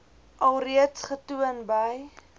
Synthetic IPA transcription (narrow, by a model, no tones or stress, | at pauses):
ʔɐlˠriətsχətuənbəj